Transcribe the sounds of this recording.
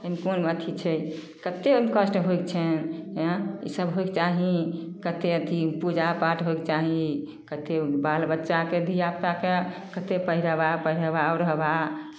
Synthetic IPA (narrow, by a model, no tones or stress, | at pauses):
əmkonmət̪ʰit͡ʃʰɛ | kət̪emkəsʈɦojkt͡ʃʰɛn | ḭsəbɦojkt͡ʃaɦĩkət̪eət̪ʰipud͡ʒapaʈɦoekt͡ʃaɦĩ | kət̪ebalbətːʃaked̪ʱijap̚t̪akekət̪epəɦiɾəbapəɦiɾəbaɔɾəɦba